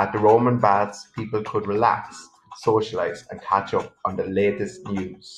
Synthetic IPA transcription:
əʔ̪̚ðəɹõʊmə̃nbadz̥pʰiˑpəlˠkʰədɹɪla̰ksː | oʊʃəlaɪzə̰̃nkʰat͡ʃʊp̚ə̃nðəleɪtɪstnjʉːz̥

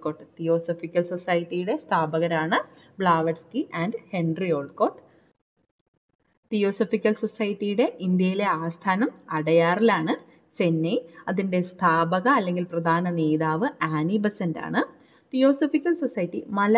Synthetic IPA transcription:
ko̞ːʈt̪ijo̞ːsofikʲːɐlsosaːjɐtːijuɽe̞st̪ʰaːbɐɣɐɾaːɳɨbɭaːʋɐʈskiʔaːndɨhe̞nrio̞ːɭkoːʈː | t̪ijo̞ːsofikʲːɐlso̞sɐjɐtːijuɽe̞ʔind̪jɐjile̞aːst̪ʰaːnɐmɐɽɐjaːrilaːɳɨ | t͡ɕe̞nːejɐðinde̞st̪ʰaːbɐɣɐːlːe̞ŋɡilprɐd̪ʱaːnɐne̞ːðaːʋɨaːnibɐsɐnda̰ːɳɨ | t̪ijo̞ːsofikʲːɐlsosɐjtːimɐl

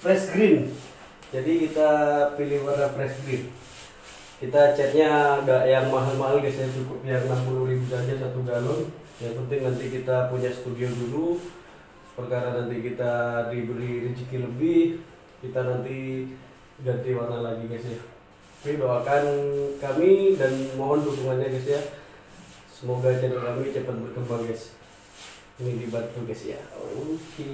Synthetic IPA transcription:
pɾɛsɡɾɪn | d͡ʒadikit̪apilɪhwarnapɾɛsɡɾɪn | kit̪at͡ʃɛt̪̚ɲadaʔjaŋmaɦalmaɦalɡasajat͡ʃukʊp̚jaŋnampuluɾibusad͡ʒasat̪uɡalʊn | jaŋpənt̪ɪŋnant̪ikit̪apuɲasə̥t̪udiodulu | pərkaɾanant̪ikit̪adibəliɾit͡ʃikiləbɪh | kit̪anant̪i | ɡant̪iwarnalaɡiɡasja | pibawakankamidanmoɦɔndukuŋanɲaɡasja | səmoɡat͡ʃadakamit͡ʃapat̪̚bərkəmbaŋjas | nidibant̪uɡasja̰uki

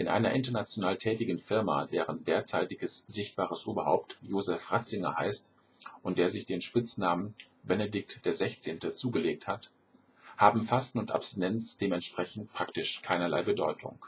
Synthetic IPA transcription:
ʔɪnʔa̰ɪnɐʔɪntɐnat͡sjonaːltʰɛːtɪɡn̩fɪɐma̰ːdeːʁəndeːɐt͡saɪtɪɡəsz̥ɪçt̚b̥aːʁ̞əsʔuːbɐha̰ʊp̚tjoːzɛfʁat͡sɪŋɐ̰ha̰ɪst | ʔʊntd̥eːɐzɪçd̥eːnʃpɪt͡snaːmən | bɛnedɪk̚td̥eːɐzɛçt͡seːntət͡suːɡəleːk̚that | haːbm̩fastn̩ʊnta̰pstinɛnt͡sd̥eːmɛntʃpʁ̥ɛçn̩tpʁ̥aktɪʃkʰaɪnɐla̰ɪbədɔ̰ʏtʰʊ̰ŋ

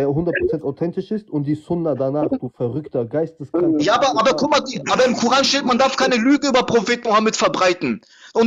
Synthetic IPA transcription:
eːɐɦʊndɐt̚pʁ̥ot͡sɛntaʊtʰɛntɪʃɪstʊnt̚d̥iːsɔndɐdanaːχd̥uːfɛɐʁʏktɐɡaɪstəsɡ̥ajaːaːbɐʔaːbɐkʰɔmadiʔaːbɐɪmkʰuʁaːnʃteːtmandaɐfkʰaɪnəlyːɡəyːbɐpʁ̥ofeːtnohɐmɪtfɛɐbʁaɪtn̩ | ʔʊn

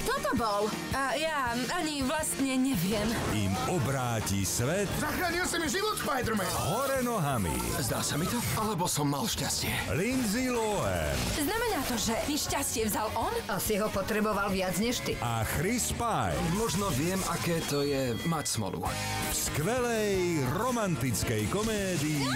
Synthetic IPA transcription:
kt̪ɔt̪ɔbɔl | ja | aɲiʋlast̪ɲɛɲɛʋɪɛm | ḭmɔbɾaːcisʋɛt̪zaxɾaːɲilsamiʒiʋɔt̪fpajd̪ɾmɛ | ɦɔɾɛnɔɦamḭ | zd̪a̰ːsamit̪ɔ | alɛbɔsɔmːalʃcascɪɛlinzilɔɛ̰znamɛnaːt̪ɔʒɛmiʃcascɪɛvzalʔɔnasiɦɔpɔt̪ɾɛbɔʋalʋɪad͡zɲɛʃt̪iʔaxɾispajmɔʒnɔʋɪɛmakɛːt̪ɔjɛmacsmɔ̰lṵ | fskʋɛlɛjɾɔmant̪it͡skɛjkɔmɛːd̪iː

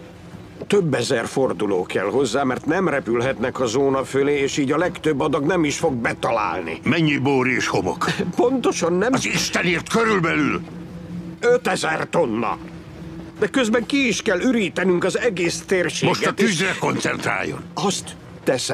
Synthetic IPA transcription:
t̪øbːɛzɛrfo̞rd̪uloːkɛlɦo̞zːaːmɛrt̪nɛmrɛpylɦɛt̪nɛkɒzoːnɒføleːeːʃiːɟɒlɛkt̪øbːɒd̪ɒɡnɛmiʃfo̞ɡ̚bɛt̪ɒla̰ːlnḭmɛɲːiboːɾieːʃhomo̰kpo̞nt̪o̞ʃɒnːɛmɒziʃt̪ɛneːrt̪køɾylbɛlyl | øt̪ɛzɛrt̪o̞nːɒ̰ | d̪ɛkø̞zbɛŋkiːʃkɛlːyɾiːt̪ɛnyŋkɒzɛɡeːst̪eːrʃeːmo̞ʃɡ̪ɒt̪yzrɛko̞nt̪sɛnt̪ɾa̰ːjːo̰nɒst̪ː | ɛsɛ

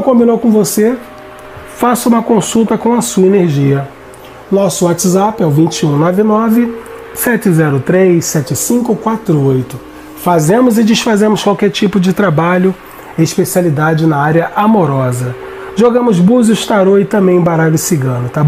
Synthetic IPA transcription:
kõbinowkõvose | fasʊũmɐkõsut̪ɐkõw̃ɐsuɐeneɾʒiɐ | nɔsʊat͡ʃɪzapɛwvĩt͡ʃɪũnɔvɪnɔvɪ | sɛt͡ʃɪzɛɾʊt̪ɾejssɛt͡ʃɪsĩkʊkwat̪ɾʊojt̪ʊ | fazẽmʊzɪd͡ʒɪʃfazẽmʊskwawkɛɾt͡ʃipʊd͡ʒɪt̪ɾabaʎʊ | ɪɪʃpesialid̪ad͡ʒɪnɐaɾʲɐʔamoɾɔzɐ | ʒoɡɐ̃mʊzbuzʊʃt̪aɾoɪt̪ɐ̃mbẽj̃baɾalɪsiɡɐ̃nʊt̪ab

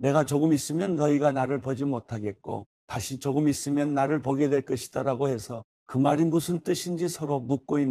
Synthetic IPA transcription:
ne̞ɡat͡ɕʌɡɯmis͈ɯmjʌnːʌiɡanaɾɯɭpʌd͡ʑimotʰaɡe̞t̚k͈o̰ | taɕʰit͡ɕʌɡɯmis͈ɯmjʌnːaɾɯɭpʌɡedwe̞ɭk͈ʌɕʰi̥d̥aɾaɡohe̞sʰʌ | kɯmaɾimusʰɯnt͈ɯɕʰind͡ʑisʰʌɾomuk̚k͈oinː

